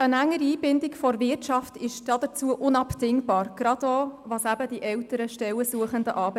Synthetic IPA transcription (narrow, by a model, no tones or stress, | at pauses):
ənæŋːəɾiiːbɪndɪkfɔɾvɪrtt͡ʃɑftɪʃd̥ɑd̥ət͡suəʔʊnɑptɪŋbɑːɾɡ̥ɾɑd̥oːvɑsæbəd̥iʔɛwtəɾəʃtɛləsuəχəndəʔɑːb